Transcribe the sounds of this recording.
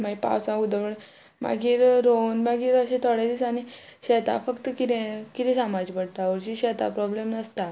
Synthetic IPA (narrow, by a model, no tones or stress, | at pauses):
maipa̰wsãud̪əʋəɳ | ma̰ɡʱiːɾɾonmaɡiːɾəɕẽt̪ʰɔɽed̪iːsañiɕɛt̪a̰fəkt̪əkit̪ẽkit̪ʰĩsamad͡ʑpəɽʈ̪aʋəɾɕiɕɛt̪a̰pɾɔblemnəst̪a